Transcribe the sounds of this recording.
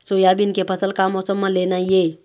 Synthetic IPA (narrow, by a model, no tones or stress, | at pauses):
sojabinkepʰəsəlkamɔsəmːəlenaje